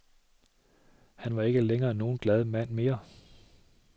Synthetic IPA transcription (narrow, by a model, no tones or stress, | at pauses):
hænʋɑ̈e̝ɡ̥əleŋɐːno̝ːn̩ɡ̥lɛð̞ˠmæn̰me̝ːɐ